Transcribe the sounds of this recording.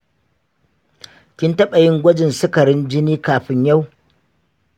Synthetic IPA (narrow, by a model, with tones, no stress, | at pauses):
kʲɪ˦ntɐ˦ɓɐ˨jɪ˦ŋɡʷɐ˦d͡ʒɪ˨nsɪ˦kɐ˨ɾɪ˦nd͡ʒɪ˦niː˦kaː˨ɸɪ˦ɲja˦w